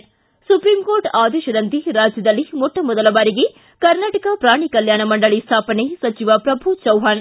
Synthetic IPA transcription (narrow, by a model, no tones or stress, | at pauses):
supɾiːmkoːɾʈaːd̪eːʃɐd̪ɐnt̪iɾaːd͡ʒjɐd̪ɐlːimɔʈːɐmɔd̪ɐlɐʋaːɾiɡe | kɐɾnaːʈɐkɐpɾaːɳikɐljaːnɐmɐɳɖɐɭist̪ʰaːpɐnesɐt͡ʃiʋɐpɾɐbʱut͡ʃɐwɦaːn